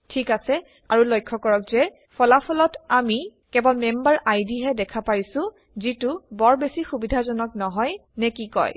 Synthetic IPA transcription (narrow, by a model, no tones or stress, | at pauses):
tʰikasɛ | aɹulɔjkʰːɔkɔɹɔkzɛ | pʰɔlapʰɔlɔtamikɛbɔlmɛmbaɹʔajdiɦɛdɛkʰapajsʊ̃ | zitʊbɔɹbesixubidʱazɔnɔknɔɦɔjnɛkikɔ̰j